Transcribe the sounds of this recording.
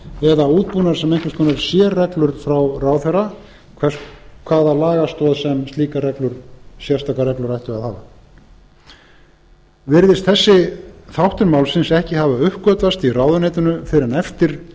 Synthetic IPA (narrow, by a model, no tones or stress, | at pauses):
ɛðauːt̪̚puːnaɾ̥sɛmejŋkvɪskʰɔnɛɾsjɛːrɛklʏɾ̥fɾawrawθɛra | kʰvɛ̥skʰvaːðalaːɣast̪ɔːðsɛmst̪liːkarɛklʏɾ̥sjast̪aːkaɾrɛklʏɾajht̪ʏaðθaːva | vɪɾðɪst̪θɛsːɪθawht̪ʏɾmaːwlsɪnsɛhcɪhavaʏhkœt̪vast̪iraːwðʏnejt̪ʏnʏfɪɾanɛft̪ɪɾ̥